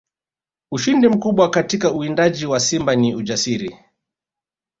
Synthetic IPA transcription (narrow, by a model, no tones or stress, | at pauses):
uʃindim̩kuɓwakatikauindaʄiwasimbaniud͡ʒasiɾi